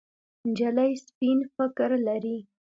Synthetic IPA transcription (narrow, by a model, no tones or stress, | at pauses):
nd͡ʒalajspinfɪkɾlaɾi